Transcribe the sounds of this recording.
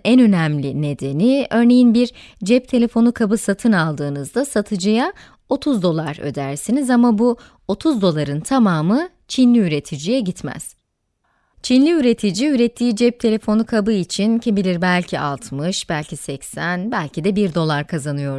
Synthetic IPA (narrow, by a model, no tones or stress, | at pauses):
ɛnø̞næmlʲine̞d̪e̞niø̞ɾne̞jinbiɾ | d͡ʒɛp̚t̪ʰe̞lʲefo̞nukʰabɯsat̪ʰɯnalˠd̪ɯːnɯzd̪asat̪ʰɯd͡ʒɯja | o̞t̪ʰuzd̪o̞lˠaɾø̰d̪æɾsinizamabu | o̞t̪ʰuzd̪o̞lˠaɾɯnt̪ʰamaːmɯ | t͡ʃʰinlʲiyɾe̞t̪ʰid͡ʒijɛɟit̪mæ̰z̥ | t͡ʃʰinlʲiyɾe̞t̪ʰid͡ʒiyɾet̪ʰːiːd͡ʒɛp̚t̪ʰe̞lʲe̞fo̞nukʰabɯit͡ʃʰincʰibilʲiɾbælʲcʰiʔa̰lˠt̪ʰmɯʃbælʲcʰisɛcsænbælʲcʰid̪ɛbiɾd̪o̞lˠaɾkʰazanɯjo̞ɾ